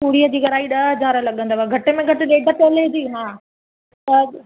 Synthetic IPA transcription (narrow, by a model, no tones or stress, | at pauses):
puːɽiːəd͡ʑiːɡɐɾaːiɗɐd͡ʑaːɾəlɐɠə̃nd̪aːbaɡʱɐʈɪ̆mẽɡʱɐʈɪɗeːɖʱət̪eled͡ʑiːɦãː | t̪ɐ